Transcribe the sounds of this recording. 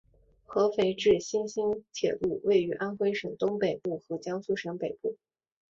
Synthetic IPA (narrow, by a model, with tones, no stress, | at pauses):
xɤ˧˥fe˧˥ɪʈ͡ʂɻ̩˥˩ɕi˥nɕi˥nt̪ʰjɛ̰˨˩lu˥˧we˥˩ɪy˧˥ʔa˥nxwe˥ɪʂɤ˨˩ŋt̪ʊ˥ŋpe˨˩ɪpu˥˩xɤ˧˥t͡ɕjɑ˥ŋsu˥˩ʂə˧˥ŋpe˨˩ɪpu˥˩